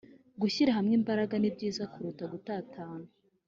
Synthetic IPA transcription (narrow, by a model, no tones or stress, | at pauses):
ɡuçiɾaɦamŋiːmbaɾaɡanibɟiːzakuɾutaɡutaːtʰaːnu